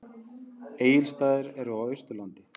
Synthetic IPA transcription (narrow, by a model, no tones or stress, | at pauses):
eːjɪlst̪aːðɪɾɛɾʏawʏst̪ʏlant̪ɪ̥